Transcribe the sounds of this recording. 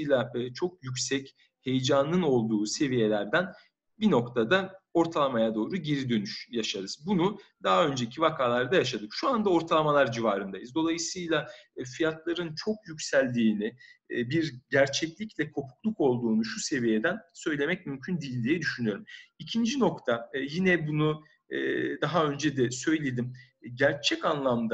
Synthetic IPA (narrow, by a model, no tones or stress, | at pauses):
jlˠat͡ʃʰo̞k̚jycʲsɛc | he̞jd͡ʒanɯno̞lˠd̪uːse̞vije̞lʲæɾd̪æn | bino̞kt̪ʰad̪ao̞ɾt̪ʰalˠamajad̪o̞ːɾuɟeɾid̪ø̞nyʃjaʃaɾɯzbunud̪aɦaø̞nd͡ʒecʰivakʰaːlˠaɾd̪ajaʃad̪ɯkʃuand̪ao̞ɾt̪ʰalˠamalˠaɾd͡ʒivaːɾɯnd̪ajɯzd̪o̞lˠajɯsɯjlˠafijat̪ʰlˠaɾɯnt͡ʃʰo̞kjycsælʲd̪iːnɪbiɾɟæɾt͡ʃʰɛclʲiclʲɛkʰo̞pʰu̥klˠuko̞lˠd̪uːnuʃuse̞vijed̪ænsø̞jlʲe̞mɛc̚mymcʰynd̪ijilʲd̪ijɛd̪yʃynyjo̞ɾumicʰind͡ʒino̞kt̪ʰajinɛbunu | d̪aɦaø̞nd͡ʒɛd̪ɛsø̞jlʲe̞d̪im | ɟæɾt͡ʃʰɛcanlˠamd̪a